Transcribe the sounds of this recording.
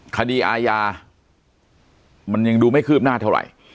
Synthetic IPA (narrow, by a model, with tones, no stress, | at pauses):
kʰa˧diː˧ʔaː˧jaː˧ | ma˧nja˧ŋduː˧ma˥˩jkʰɯː˥˩p̚naː˥˩t̪ʰa˥˩wɾa̰˨˩j